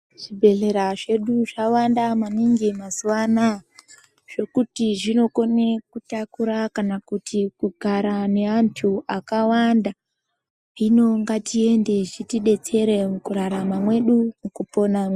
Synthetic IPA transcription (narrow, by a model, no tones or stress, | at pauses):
ʐ̥ibʱe̞ɮe̞ɾaʐe̞ɗuʐawandamaniŋɡimazuwana | ʐ̥o̞kutiʐino̞ko̞nekutakuɾakanakutʰikuɡʱaɾane̞antʰuʔakawanda | ino̞ŋɡatie̞nde̞ʐitiɗe̞t͡se̞ɾe̞mukuɾaɾamamwe̞ɗumukupo̞namwe